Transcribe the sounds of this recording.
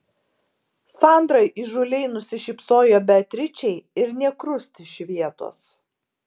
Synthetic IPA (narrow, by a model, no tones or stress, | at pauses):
sɑˑnd̪ɾɐɪʔɪʒʊlʲɛɪnʊsʲɪʃʲɪpsoːjoːbʲɛt̪ʲɾʲɪt͡ʃʲɛɪɪɾnʲɛkɾʊsʲt̪ʲɪʃʲʋʲiɛt̪o̰ːs